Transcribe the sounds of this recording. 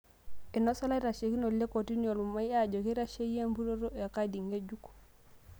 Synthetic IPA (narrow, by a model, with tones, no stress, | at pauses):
e˨no˦sa˦la˦ɾa˨ʃe˨ki˦no˨lːe˦ko˨ti˦no˨lu˨ma˦ja˦ɟo˨ki˦ɾa˦ʃe˦je˦mbu˦ɾo˦ɾo˦ja˨ka˦di˨ŋɡe˦ɟu˦ku̥